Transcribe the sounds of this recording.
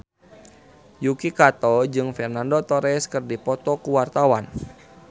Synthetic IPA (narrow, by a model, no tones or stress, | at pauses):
jukikat̪ɔd͡ʒɨŋfɛrnandot̪ɔɾɛskɨrdipɔt̪ɔkuwart̪awan